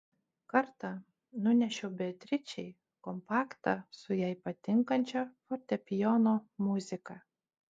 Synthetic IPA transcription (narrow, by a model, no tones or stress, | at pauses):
kɐɾt̪ɑ | nʊnʲɛʃʲɛbʲɛt̪ʲɾʲɪt͡ʃʲɛɪ | kɔmpɑːkt̪ɑsʊjɛɪpɐt̪ʲɪŋkɐnʲt͡ʃʲɛfɔt̪ʲɛpʲɪjɔnoːmʊzʲɪkɐ